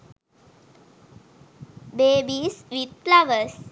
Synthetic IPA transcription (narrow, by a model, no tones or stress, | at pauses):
beːbisʋit̪̚flaʋəs